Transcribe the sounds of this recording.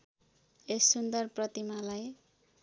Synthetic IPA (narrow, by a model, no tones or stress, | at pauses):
esːund̪ʌrprʌt̪imalaj